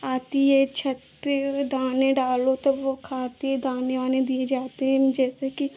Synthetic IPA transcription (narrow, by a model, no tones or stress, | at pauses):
aːt̪iet͡ʃʰɐt̪ed̪aːnẽɖaːlot̪ɐbʋokʰaːt̪ied̪aːneʋaːnẽd̪ied͡ʒaːt̪eɦɛ̃d͡ʒɛːseki